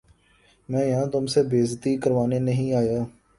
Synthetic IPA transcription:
mɛ̃ːjɦãːt̪ʊmsebeːzt̪iːkəɾʋaːnenəɦĩːaːjaː

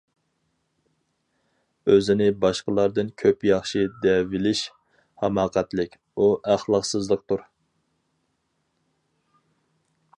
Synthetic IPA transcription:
øzɪnɪbɑʃqəlˠɑɾd̪ɨnkʲʰøpjɑχʃid̪ɛvɪlɪʃ | hɑmɑːqʰæt̪lɪkʲ | uʔæχlˠɑqsɨzlˠəq̚t̪uɾ

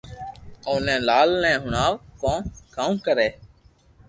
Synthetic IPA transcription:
oːnɛ̃ːlaːlnɛ̃ːɦʊɳaːʋkõːkaːũːkəɾeː

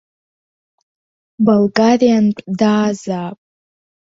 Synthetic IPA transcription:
balɡarijanpʷʼdaːzaːpʼ

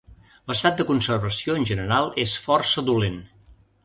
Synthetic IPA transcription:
ləst̪at̪̚d̪əkunsərβəsioənʲʒənəɾalˠesfɔrsəðulen

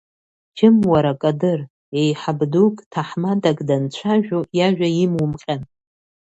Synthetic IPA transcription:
d͡ʒɪmwaɾakʼadɨr | ejħabdukʼtʰaħmadakʼdant͡ɕʷʰaʒᶣojaʒᶣʷaimwʊmqʲʼan

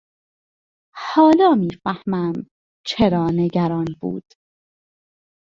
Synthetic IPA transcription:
hɒːlɒːmiːfæhmæm | t͡ʃʰeɾɒːneɡæɾɒːnbṵːd̪̥

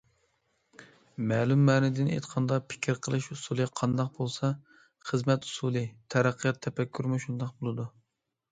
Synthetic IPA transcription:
mɛːlˠumːɛnɪd̪ɪnḛt̪qʰɑnd̪ɑpʰɪ̥kʲʰɾqʰəlˠɨʃusulˠɨqʰɑnd̪ɑq̚bolˠsɑ | χəzmɛt̪u̥sulˠɨt̪ʰɛɾæqʰːəjɑt̪ʰːɛpɛkʲʰːyɾmuʃund̪ɑq̚bolˠɨd̪u

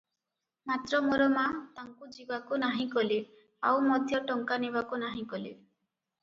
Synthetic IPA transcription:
mat̪ɾɔmoɾɔmãt̪aŋkud͡ʒibakunaɦĩkɔle | a̰wmɔd̪ʱjɔʈɔŋkaneβakunaɦĩkɔle

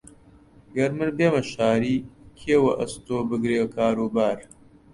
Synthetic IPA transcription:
ɡɐɾmɨɾbeːmɐʃaːɾiːkʰeːwɐʔɐst̪oːbɨɡɾeːkʰaːɾuːbaːɾ

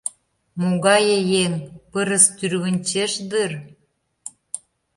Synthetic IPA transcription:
moɣɑjĕjenpəɾə̆st̪yrβə̆nʲt͡ɕeʃd̪ɯr

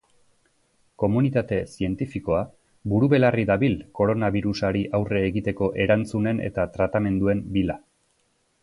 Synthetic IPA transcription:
ko̞munit̪at̪e̞sie̞nt̪ifiko̞a | buɾuβe̞lariðaβilko̞ɾo̞naβiɾusaɾiʔawreːɣit̪e̞ko̞ʔe̞ɾant͡sune̞ne̞̰t̪at̪ɾat̪ame̞nd̪ue̞mbila

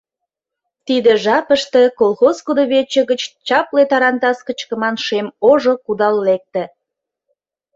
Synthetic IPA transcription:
t̪id̪ĕʒɑpəʃt̪ĕkolˠxozkud̪oβet͡ɕə̆ɣət͡ɕt͡ɕɑplet̪ɑɾɑnt̪ɑskə̆t͡ɕkə̆mɑnʃemoʒokud̪ɑlːek̚t̪ĕ

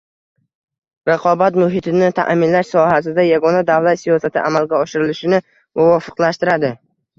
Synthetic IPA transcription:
ɾɑqʰɒbat̪mʊɦɪt̪ʰɪnɪt̪ʰa̰ʔmɪnlaʃsɒɦasɪd̪ajaɡɒnad̪avlat̪sijɒsat̪ʰɪ̰ʔa̰malɡʲaɒʃɪɾɪlɪʃɪnɪ | mʊvɒfɨ̥qlaʃt̪ɪɾad̪ɪ

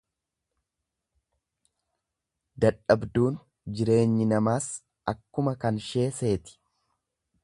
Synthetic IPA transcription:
d̪ɐᶑɐbd̪uːn | d͡ʒɪɾe̞ːɲːɪnɐmaːs | ʔɐkːʊmɐkɐnʃe̞ːse̞ːt̪ɪ̥

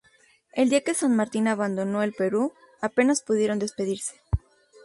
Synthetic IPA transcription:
e̞ld̪iake̞sanmaɾt̪inaβand̪o̞no̞e̞lpe̞ɾu | ape̞naspuðje̞ɾo̞nd̪e̞spe̞ðiɾse̞̥

